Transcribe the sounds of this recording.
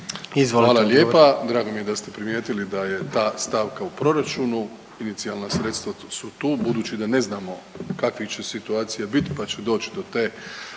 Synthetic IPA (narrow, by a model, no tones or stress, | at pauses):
izʋolʋaːlaljeːpad̪ɾaːɡo̞mije̞d̪ast̪epɾimjeːt̪ilid̪aje̞t̪aːst̪aʋkaupɾo̞ɾat͡ʃuːnu | init̪sialnasɾet̪st̪ʋa | sut̪uːbud̪uːt͡ɕid̪ane̞znaːmo̞kakʋixt͡ʃe̞sit̪uaːt̪sijabit̪i̥pat͡ɕed̪o̞ːt͡ɕi̥d̪o̞t̪e̞ː